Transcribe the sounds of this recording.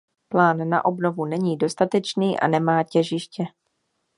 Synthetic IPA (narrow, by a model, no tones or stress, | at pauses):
plaːnːa̰ʔobno̞vunɛɲiːdo̞st̪at̪ɛt͡ʃniːʔa̰nɛmaːcɛʒɪʃcɛ